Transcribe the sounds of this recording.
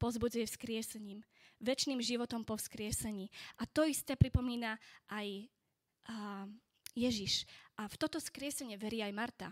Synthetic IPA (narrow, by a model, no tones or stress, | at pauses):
pɔzbud͡zujɛfskɾɪɛsɛɲiːm | ʋɛt͡ʃniːmʒiʋɔt̪ɔmpɔfskɾɪɛsɛɲiːʔat̪ɔist̪ɛːpɾipɔmiːnaʔaj | jɛʒiʃʔaft̪ɔt̪ɔskɾɪɛsɛɲɪɛʋɛɾiajmaɾt̪a̰